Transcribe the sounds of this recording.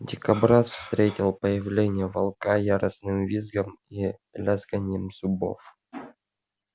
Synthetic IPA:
dʲɪkɐbɾasfst̪ɾʲetʲɪlˠpəjɪvlʲenʲɪjəvɐlˠkajaɾəsnɨmvʲizɡəmilʲazɡanʲəmzʊbo̰f

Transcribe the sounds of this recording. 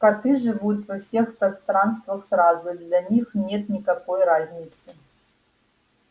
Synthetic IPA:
kat̪ɨʐɨvut̪vɐfsʲexpɾɐst̪ɾanst̪vɐxsrazʊd̪lʲɐnʲixnʲet̪nʲikɐkojrazʲnʲɪt̪sɨ

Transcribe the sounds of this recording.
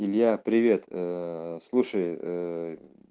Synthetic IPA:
ɪlʲjapɾʲɪvʲe̞t̪əslˠuʂəj

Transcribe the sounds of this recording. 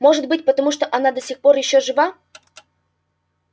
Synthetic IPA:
mo̞ʐɨt̪̚bɨtʲpət̪ɐmuʂt̪oʔɐnad̪əsʲixpo̞rjɪɕːoʐɨva

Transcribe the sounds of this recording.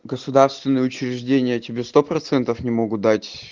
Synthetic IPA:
ɡəsʊd̪arst̪vʲɪnːɨjəʊt͡ɕɾʲɪʐdʲenʲɪjətʲɪbʲe̞st̪o̞pɾɐt̪sɛnt̪əfnʲɪmo̞ɡʊt̪̚d̪atʲ

